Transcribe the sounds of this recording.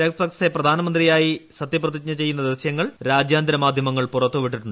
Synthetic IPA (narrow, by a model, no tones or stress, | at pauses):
ɐkɐtɐkseprɐd̪ʱaːnɐmɐnd̪rijaːjisɐt̪ːjɐprɐt̪ik̚ɲːɐt͡ɕe̞jːunːɐd̪eʋɐsjɐŋːɐɭɾaːd͡ʑjaːnd̪ɾɐmaːd̪ʱjɐmɐŋːɐɭpurɐt̪ːuʋiʈːiʈːuɳɖɨ